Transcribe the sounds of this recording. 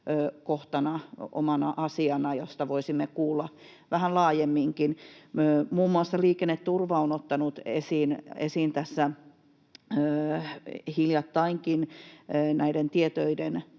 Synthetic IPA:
koht̪ɑnɑo̰mɑnɑʔɑsiɑnɑjost̪ɑʋoisimːekuːlːɑ | ʋæhænlɑːjemːiŋkinː | muːmːuɑsːɑliːkenːet̪t̪urʋɑonot̪ːɑnut̪ḛsiːnḛsiːnt̪æsːæ | øː | hiljɑt̪ːɑiŋkinː | næident̪iet̪øiden

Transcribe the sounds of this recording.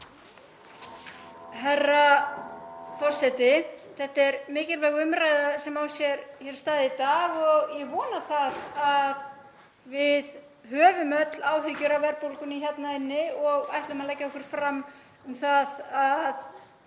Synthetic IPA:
ɦɛrːa | fɔr̥sɛt̪ɪθɛht̪ɛɾmɪːcɪlvɛɣʏmɾaːjðasɛmaːwsjɛɾçɛɾ̥st̪aːðɪit̪aːɣɔɣjɛɣvɔːnaθaðað | vɪð | hœːvʏmœt̪laːwɦʏcʏɾawvɛɾpowlkʏniçɛt̪naɪnːɪɔɣajht̪lʏmalɛjcːaɔhkʏɾ̥fɾamː | ʏmθaðað

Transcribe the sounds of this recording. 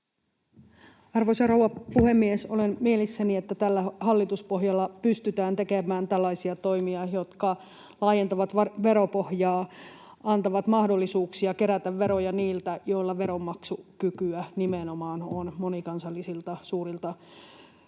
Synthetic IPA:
ɑrʋosɑrowʋɑpuhe̞mːiesolenmielisːæniet̪ːæt̪ælːæɦɑlːit̪uspoɦjɑlːɑpyst̪yt̪æːnt̪ekemæːnt̪ælːɑisiɑt̪o̞imiɑjo̞t̪kɑ | lɑːjent̪ɑʋɑt̪ʋɑʋe̞ɾo̞po̞hjɑː | ɑnt̪ɑʋɑt̪mɑhdo̞lːisuːksiɑke̞ɾæt̪æʋːeɾojɑniːlt̪æjo̞ilːɑʋe̞ɾomːɑksukykyænimenomɑːnonmonikɑnsɑlːisilt̪ɑsuːɾilt̪ɑ

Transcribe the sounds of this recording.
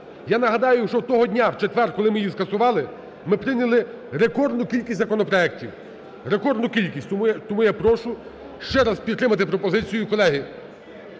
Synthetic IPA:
janɐɦɐd̪ɑjʊʃt͡ʃɔwt̪ɔɦɔdʲnʲawt͡ʃet̪ʋɛrkɔlˠɪmɪjiskɐsʊʋɑlˠɪ | mɪpɾɪnʲɐlˠɪ | ɾekɔrd̪nʊkʲilʲkʲisʲzɐkɔnɔpɾɔɛk̚tʲiw | ɾekɔrd̪nʊkʲilʲkʲisʲt̪mujt̪ɔmujapɾɔʃʊ | ʃt͡ʃɛɾaspʲid̪t̪ːɾɪmɐt̪ɪpɾɔpɔzɪt͡sʲijʊkɔlˠɛɦɪ

